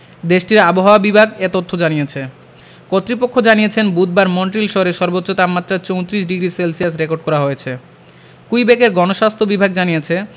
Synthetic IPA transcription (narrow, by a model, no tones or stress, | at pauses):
d̪eʃʈiɾaboɦaoabibʱaɡet̪ot̪ʰːod͡ʑanijet͡ɕʰe | kot̪ːɾipokʰːod͡ʑaniet͡ɕʰenbud̪̚baɾmoɳʈɾilʃɔoɾeʃɔɾbotːɕot̪apmat̪ːɾat͡ɕowt̪ɾiʃɖiɡɾiselsijasɾekoɾɖ̚kɔɾaɦojet͡ɕʰe | kujbekeɾɡɔnoʃast̪ʰobibʱaɡ̚d͡ʑanijet͡ɕʰe